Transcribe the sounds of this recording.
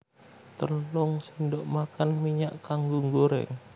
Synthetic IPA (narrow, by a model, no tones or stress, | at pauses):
t̪ənlʊŋsindɔʔmakanmiɲaʔkaŋɡuŋɡoɾɛ̰ŋ